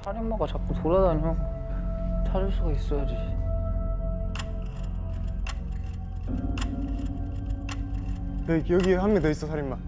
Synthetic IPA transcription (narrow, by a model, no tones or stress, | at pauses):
sʰaɾimːaɡat͡ɕak̚k͈utoɾadamjʌ | t͡ɕʰad͡ʑuɭs͈ʰuɡais͈ʌjad͡ʑi | nekjʌɡiehamkeneis͈ʌsʰaɾimːa